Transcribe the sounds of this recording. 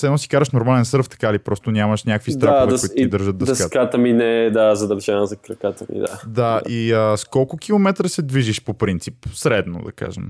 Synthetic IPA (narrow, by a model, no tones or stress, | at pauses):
sɛnɔsi̥kaɾəʃnoɾmalɛnsəɾft̪ɐ̥kalipɾɔst̪onʲaməʃnʲjakvist̪ɾaaxvɛoit̪otid̪əɾʒəd̪̚d̪əsd̪ɐskat̪kat̪əminɛd̪azɐd̪ɐvʒɛnəzɐkɾɐkat̪əmḭd̪̰a̰d̪aʔiəskɔlˠkʊk̟ilˠomɛt̪ɾəsɛd̪viʒiʃpopɾint̪sipsɾɛd̪no̰d̪ɐ̰ka̰ʒɛ̰m